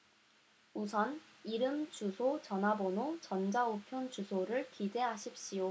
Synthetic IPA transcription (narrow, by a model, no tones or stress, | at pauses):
usʰʌniɾɯmt͡ɕusʰot͡ɕʌnɦabonot͡ɕʌnd͡ʑaupʰjont͡ɕusʰoɾɯɭkide̞ɦaɕʰip̚ɕ͈ijo